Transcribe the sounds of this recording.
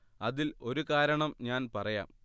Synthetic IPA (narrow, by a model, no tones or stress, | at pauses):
ɐðilo̞ɾukaːɾɐɳɐmɲaːnpɐrɐja̰ːm